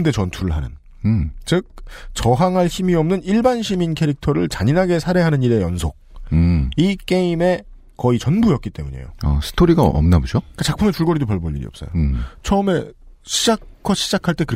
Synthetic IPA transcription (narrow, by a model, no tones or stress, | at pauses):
nde̞t͡ɕʌntʰuɾɯɭɦanɯ̰n | t͡ɕɯk̚t͡ɕʌɦaŋɦaɭçimiʌmnɯniɭbanɕʰiminkʰe̞ɾik̚tʰʌɾɯɭt͡ɕaɲinɦaɡe̞sʰaɾe̞ɦanɯɲiɾe̞jʌnsʰok̚ | ik͈e̞ime̞ | kʌit͡ɕʌnbujʌp̚k͈it͈e̞̰muɲḛjo̰a̰sʰɯ̥tʰoɾiɡaʌ̰mnabod͡ʑoik͈at͡ɕak̚pʰɯmet͡ɕuɭɡʌɾidopʌɭboʎːḭɾḭʌps͈ʌ̰jot͡ɕʰʌɯme̞ɕʰid͡ʑakkʰʌɕʰid͡ʑakʰaɭt͈e̞kɯɾʌ